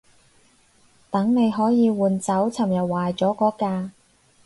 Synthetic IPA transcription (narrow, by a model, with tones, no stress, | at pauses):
t̪ɐ˨˥ŋne˨˧jɦɔː˨˥jiː˨˧wuː˨˩nt͡sɐ˨˥wt͡sʰɐ˨˩mjɐ˨t̚waː˨˩jt͡sɔː˨˥kɔː˨˥kaː˧